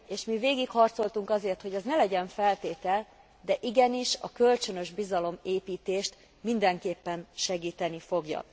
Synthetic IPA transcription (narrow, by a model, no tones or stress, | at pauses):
eːʃmiveːɡikhɒrt̪so̞lt̪uŋkɒzeːrt̪ho̞ɟɛznɛlɛɟɛɱfɛlt̪eːt̪ɛl | d̪ɛʔiɡɛniʃɒ̰kø̞lt͡ʃø̞nø̞ʒbizɒlo̞meːpiːt̪eːʃt̪ | mind̪ɛŋkeːpːɛnʃɛɡiːt̪ɛnifo̞ɡjɒ̰